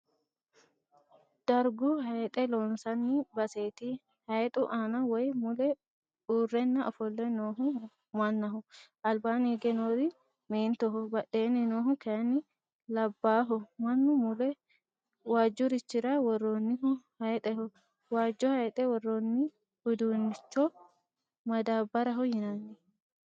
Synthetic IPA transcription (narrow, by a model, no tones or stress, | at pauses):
d̪̥ɐɾɡʊhɐjt̪ʼɛlɔnsɐnːɪbɐseːt̪ɪ | hɐjt̪ʼʊʔaːnɐwɔjmʊlɛ | uːrːɛnːɐʔɔfɔlːɛnoːɦʊ | mɐnːɐɦʊ | ɐlbaːneːɡɛnoːd̪ɪ | meːnt̪ɔɦɔbɐɗe̞ːnɪnoːɦʊkɛɐnːɪ | lɐbːaːɦɔmɐnːʊmʊlɛ | waːd͡ʒːɔɾɪt͡ʃːɪɾawɔrːoːnːɪhʊhɐjt̪ʼɛhʊ | waːd͡ʒːɔhɐjt̪ʼɛwɔrːonːɪ | bʊd̪uːnɪt͡ʃːɔ | mɐd̪aːbɐɾɐɦɔhɪnɐnːɪ